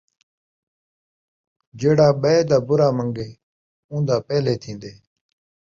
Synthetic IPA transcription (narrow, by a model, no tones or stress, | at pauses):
d͡ʒeːɽaːɓəeːd̪aːbʊɾaːməŋɡeː | ũːnd̪aːpɛːleːt̪ʰĩːnd̪eː